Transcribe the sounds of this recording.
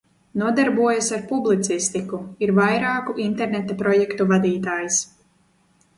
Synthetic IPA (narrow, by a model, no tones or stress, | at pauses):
nuɔd̪aɾbuɔjasaɾpublˠit̪sist̪ikuiɾvajɾaːkuʔint̪ɛɾnɛt̪apɾɔjɛkt̪uvad̪iːt̪aːjis